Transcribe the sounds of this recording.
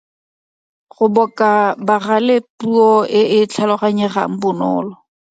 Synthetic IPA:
ɣʊbɔkʼabaralepuɔɪɪt͡ɬʰalɔɣaɲɛra̰ŋ̩bʊnɔ̰ːlɔ

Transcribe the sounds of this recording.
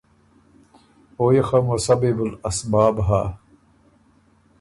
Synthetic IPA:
oːjexɐmosɐbibulɐsbaːbɦaː

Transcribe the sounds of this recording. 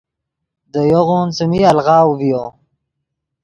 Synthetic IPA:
d̪əjoɣunsəmialʁɑːwvijo

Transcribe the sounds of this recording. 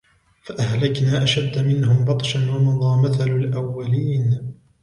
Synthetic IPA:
faʔahlaknaːʔaʃad̪ːamɪnhʊmbɑt̪ˤʃanwanɑðˤɑːmaθalʊlʔawːaliːn

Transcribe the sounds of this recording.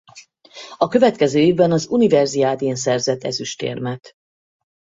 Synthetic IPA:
ɒkø̞vɛt̪̚kɛzøːeːvbɛnɒzunivɛrziaːd̪eːns̬ɛrzɛt̪ːɛ̰zyʃt̪ḛːrmɛt̪

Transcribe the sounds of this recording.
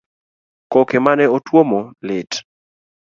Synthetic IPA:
kokemanɛotwomolɪt

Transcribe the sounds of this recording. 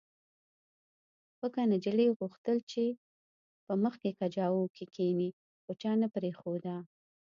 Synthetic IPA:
xəkanad͡ʒaleɣuxt̪əlt͡ʃe | pəməxkekad͡ʒɑwokʰikʰeni | xot͡ʃɑnapɾexod̪a

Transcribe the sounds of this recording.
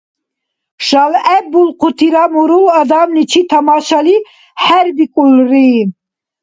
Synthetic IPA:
ʃalɛbulqʰut̪ʰiɾamuɾulad̪amnit͡ʃʰit̪ʰamaʃali | ħæɾbikʼulri

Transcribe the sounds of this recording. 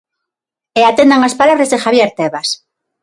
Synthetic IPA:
eat̪end̪aŋaspalaβɾazðexaβjeɾt̪eβas

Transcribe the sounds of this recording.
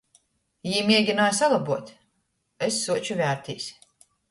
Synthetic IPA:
jiːmiɛɡʲinaːjsalˠabuɔt̪ʲ | esːuɔt͡ʃuvʲæːɾt̪ʲḭːsʲ

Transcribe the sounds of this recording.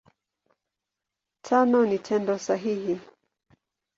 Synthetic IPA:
tʰanɔnitʰɛndɔsaɦihi

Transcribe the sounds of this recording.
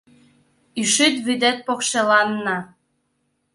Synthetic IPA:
yʃyt̪βyd̪et̪̚pokʃelɑnːɑ

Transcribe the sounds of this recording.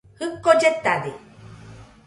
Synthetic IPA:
hɯkːod͡ʒet̪ːad̪i

